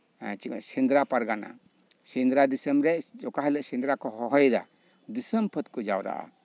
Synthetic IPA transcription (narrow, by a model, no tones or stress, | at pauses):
t͡ʃisind̪ɾapaɾɡana̰ | sind̪ɾad̪isəmɾɛʔd͡ʒɔkaɦələʔsind̪ɾakɔhɔɦɔjd̪a̰ | d̪isəmpʰət̪̚kɔd͡ʒawɾa̰ʔa̰